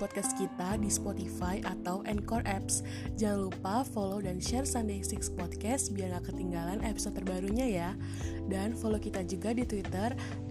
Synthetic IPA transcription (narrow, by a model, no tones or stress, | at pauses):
pɔt̪̚kɛskit̪adispɔt̪ifajʔat̪awʔɛnkɔrʔɛps | d͡ʒaŋlupafolodanʃɛrsandesikspɔt̪̚kɛsbiarɡakət̪iŋɡalanepi̥sɔt̪ːərbaɾuɲaja | danfolokit̪ad͡ʒuɡadit̪wit̪ər